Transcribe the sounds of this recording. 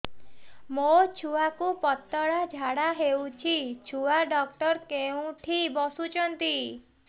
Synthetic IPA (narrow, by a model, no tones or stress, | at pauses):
mot͡ʃʰuakupɔt̪ːɔɽad͡ʒʱaɽaɦewt͡ʃʰit͡ʃʰuaɖɔk̚ʈɔɾkeũʈʰibɔsut͡ʃʰɔnt̪i